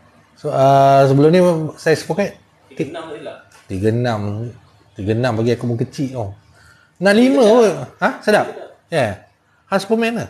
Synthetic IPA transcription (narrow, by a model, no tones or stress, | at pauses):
soasəbəlʊmnisajasə̥pokat̪̚ | i | t̪iɡənãm | t̪iɡənãmpaɡiakubəkət͡ʃiʔɔ | naʔlimə̃wəhasədap | ja | haspəmɛ̃nə